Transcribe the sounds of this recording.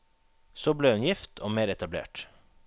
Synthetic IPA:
soːbleːʉnjɪft̪ʰo̰ːmeːɾɛt̪ɑblḛːʈ

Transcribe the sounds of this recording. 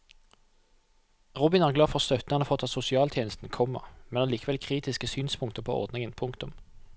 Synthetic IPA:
ʁʊːbɪnæːʁɡlɑːfɔʁst̪œt̪nɑnəfɔt̪ʰːɑt̪sʊsɪɑːlt̪ʰeːnəst̪n̩kʰɔmːə̰mɛnɑliːkəʋɛlkʰʁiːt̪ɪskəsyːnspʰʊŋkt̪əpʰo̰ːɔ̰ʁd̪nɪŋənpʰʊŋkt̪ʊm

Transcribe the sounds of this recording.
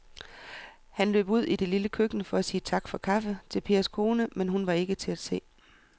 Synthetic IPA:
hænløbuð̞̰ˠid̥e̝liləkʰøɡ̥nəfɒ̽æsiːət͡sʰɑ̈ɡ̥fɒ̽kʰɑ̈fət͡sʰe̝lpʰe̝ːɐskʰo̝ːnəmenɦunʋɑ̈e̝ɡ̥ət͡sʰe̝æd̥se̝̰ː

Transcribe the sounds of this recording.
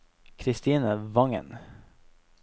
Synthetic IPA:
kʰɾɪst̪iːnəvɑŋə̰n

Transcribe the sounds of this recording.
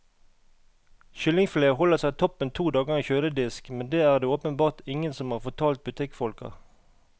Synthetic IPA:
ʃʏlɪŋfleːhɔləʁsæɪt̪ʰɔpənt̪ʰuːd̪ɑːɡəʁɛçøːləd̪ɪskmɛnd̪eːæːʁd̪eːoːpənbɑːʁt̪ɪŋənsɔmhɑːʁfɔʁt̪ʰɑːlt̪̚bʉt̪ʰɪkfɔlkɑ̰

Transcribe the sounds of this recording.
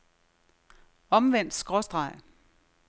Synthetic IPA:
ɒ̽mʋen̰d̥sɡ̥ʁɔsd̥ʁɑ̈ɪ̰

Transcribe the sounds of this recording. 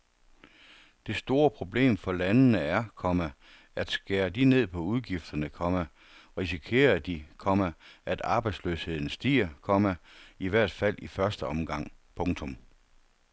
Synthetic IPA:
d̥e̝sd̥o̝ːɐpʰʁo̝b̥le̝̰ːmfɒ̽lænnəæɐkʰɒ̽mə | æd̥sɡ̥eːɐd̥ine̝ð̰ˠpʰɒ̽uð̞ˠɡ̥ifd̥ɐnəkʰɒ̽mə | ʁisikʰe̝̰ːɐd̥ikʰɒ̽məʔæd̥ɑ̈ːb̥ɑ̈ɪdsløːshe̝ð̞̰ˠn̩sd̥ḭːɐkʰɒ̽məiʋæɐ̰d̥fæl̰ifɶɐsd̥əɒ̽mɡ̥ɑ̈ŋ̰pʰɔ̽ŋt͡sʰɔ̽m

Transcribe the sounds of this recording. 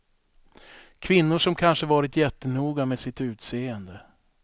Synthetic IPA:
kʰvɪnːʊʂɔmkʰanʂəvɑːɾɪt̪jɛt̪ːənuːɡameːsɪt̪ʉ̟ːt̪seːənd̪ə

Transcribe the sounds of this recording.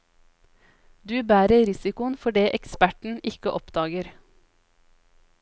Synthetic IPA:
d̪ʉːbæːɾəɾɪsɪkʊənfɔɖeːʔɛkspæʈɳ̩ʔɪkəʔɔpd̪ɑːɡəɾ

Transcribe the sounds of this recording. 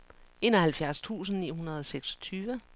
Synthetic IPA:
e̝ːnɒhælfjæɐst͡sʰṵːs̬n̩nḭːhunɐð̞ˠɒ̽seɡ̥sɒ̥t͡sʰyːʋə

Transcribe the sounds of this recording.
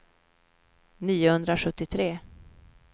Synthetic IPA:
niːʊhɵnd̪ɾaɧɵt̪ːɪt̪ʰɾeː

